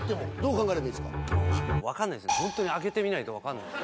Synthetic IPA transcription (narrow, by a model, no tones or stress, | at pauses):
t̪ːeod̪oːkãŋɡaeɾeẽsɨ̥ka̰βakanːaisɨnehõ̞nt̪o̞ɲ̟iake̞t̪e̞mʲinait̪o̞βakanːa̰